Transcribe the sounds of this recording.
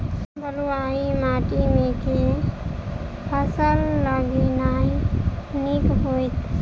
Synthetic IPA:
bəɾuaimaʈimeke | pʰəsəlːəɡinainikɦojt̪

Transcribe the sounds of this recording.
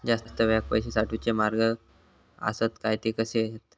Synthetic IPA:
d͡zasst̪əʋak̚pəjɕ̬esaʈʰut͡semaɾɡə | ə̰sət̪kajt̪ikəseɦet̪

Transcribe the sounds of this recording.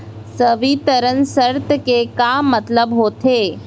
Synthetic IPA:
səʋit̪əɾənsəɾt̪kekamːɐt̪ləbɦoːt̪ʰeː

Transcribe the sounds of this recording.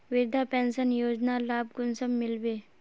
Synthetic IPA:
ʋɪɾd̪ʱapɛnsənjoːd͡ʒnalaːb̚ɡʊnsəmːɪlbe

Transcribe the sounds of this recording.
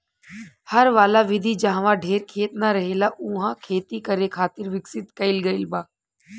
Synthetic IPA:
hɐɾʋaːlaʋɪd̪ʱid͡ʒaɦʋãɖʱeːɾkʰeːt̪̚naɾɐɦeːlaʔʊɦãkʰeːt̪ikɐɾekʰaːt̪ɪɾʋɪksɪt̪kɐɪlɡɐɪlbaː

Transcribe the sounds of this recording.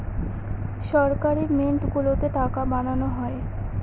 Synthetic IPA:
ʃɔɾkaɾimeɳʈɡulot̪eʈakabananoɦɔe

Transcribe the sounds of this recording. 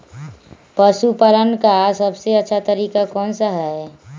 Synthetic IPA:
pəʃupələnkasəbseətːʃʰat̪əɾiːkakɔːnsaɦɛ

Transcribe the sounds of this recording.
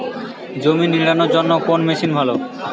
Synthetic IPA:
d͡ʑominiɽanoɾd͡ʑonːokonmeʃinbʱalo

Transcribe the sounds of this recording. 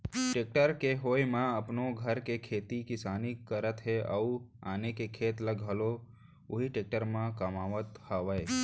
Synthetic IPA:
ʈeːk̚ʈəɾkeɦoːjmãəpnoɡʱəɾkekʰeːt̪ikɪsaːnikəɾət̪ɦeəua̰ːnekekʰeːt̪ləɡʱɦəlo | ʊɦiʈeːk̚ʈəɾmãkəmaːʋət̪haʋəj

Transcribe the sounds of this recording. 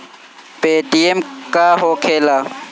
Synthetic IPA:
peːʈiemkaːɦoːkʰeːlaː

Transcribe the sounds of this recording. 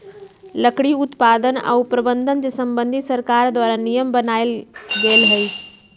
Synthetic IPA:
ləkɽiʊt̪paːd̪əna̰upɾəbə̃nd̪ʱənd͡ʒəsə̃mbə̃nd̪ʱit̪səɾkaːɾd̪waːɾanijəmbənaːɪlɡeːlɦɛi

